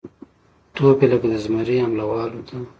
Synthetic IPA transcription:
t̪opeləkad̪əzmaɾeamlawɑlot̪a

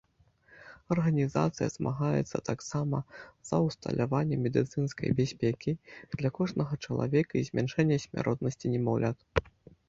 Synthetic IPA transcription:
ɐrɣɐnʲiza̰t̪sɨjɐ̰zmʔa̰ɣajɛ̰t̪sːɐt̪aksamɐz̥ɐwst̪ɐ̰lʲʔavanʲːɛmʲɛd̪ɨt̪sɨnskɐ̰jbʲasʲpʲɛkʲid̪̥lʲɐkɔʐnɐɣɐt͡ʂɐlˠa̰vʲɛkɐizʲmʲanʂɛnʲːɐsʲmʲa̰ɾɔt̪̚nɐsʲt͡sʲinʲɛmɔwlʲat̪

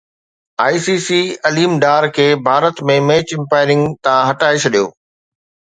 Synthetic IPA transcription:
aːisiːsiːɐliːmɖaːɾkʰeːbʱaːɾət̪mẽmeːt͡ɕɪ̃mpaːɪɾɪ̃ŋɡt̪ãɦɐʈaːet͡ɕʰɐɗijo̰ː

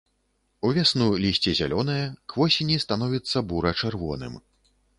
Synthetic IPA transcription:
uvʲasnulʲisʲt͡sʲɛzʲa̰lʲɔn̪ɐjɐkvɔsʲinʲist̪anɔvʲit̪sːɐbuɾɐt͡ʂɛrvɔ̰nɨ̰m

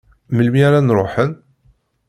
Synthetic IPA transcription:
məlmiaɾanɾˤo̰ħən

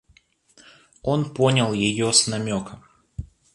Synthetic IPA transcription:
onpo̞nʲɪlˠjɪjosnɐmʲokə

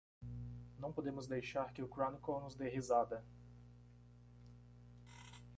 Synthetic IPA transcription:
nɐ̃w̃pod̪ẽmʊzd̪ejʃaɾkɪʊkɾõnikonʊzd̪eɦizad̪ɐ

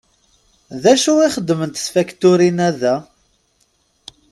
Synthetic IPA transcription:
ðæʃuiχəd̪ːmənt̪sfækt̪ʊɾinæðæ

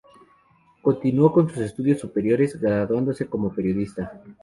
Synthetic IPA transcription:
ko̞nt̪inwo̞ko̞nsuse̞st̪uðjo̞sːupe̞ɾjo̞ɾe̞zɡɾaðwand̪o̞se̞ko̞mo̞pe̞ɾjo̞ðist̪a

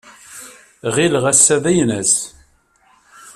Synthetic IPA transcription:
ʁilʁæsːæðæjnəs

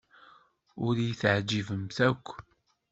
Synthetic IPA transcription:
ʊɾjiθʕd͡ʒivəmθækʷː

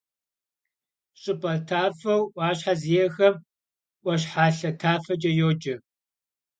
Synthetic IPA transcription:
ɕʼɪpʼɐtʰaːfɐwʔʷaːɕħazijɛxɐm | ʔʷɐɕ̬ħaːɬɐtʰaːfɐd͡ʒʼɐjoːd͡ʒɐ

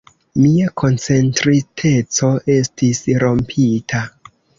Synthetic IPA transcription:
miakʰo̞nt͡se̞ntɾitʰe̞t͡so̞ʔe̞stʰisɾo̞mpʰitʰa

